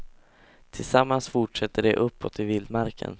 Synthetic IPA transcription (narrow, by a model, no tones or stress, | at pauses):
t̪ʰɪlsamːansfʊʈʂɛt̪ːəɖɛʔɵpːɔt̪ːɪvɪld̪maɾkʰə̰n